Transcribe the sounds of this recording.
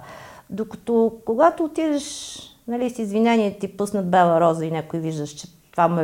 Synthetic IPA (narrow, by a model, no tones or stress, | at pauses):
d̪okə̥t̪ɔkoɡat̪oːt̪id̪əʃ | nɐlisizvinɛniɛt̪ipɤsnəd̪̚bɛlˠɐɾɔzəinɛkʊiviʒd̪əʃt͡ʃɛ̥ | t̪vamɛ